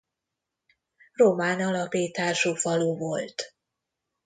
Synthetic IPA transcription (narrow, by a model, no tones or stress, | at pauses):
ro̞maːnɒlɒpiːt̪aːʃufɒluvo̞lt̪